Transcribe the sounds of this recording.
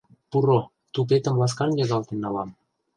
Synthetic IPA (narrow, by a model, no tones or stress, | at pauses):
puɾo | t̪upet̪ə̆mlɑs̬kɑnjɑɣɑlt̪enːɑlɑm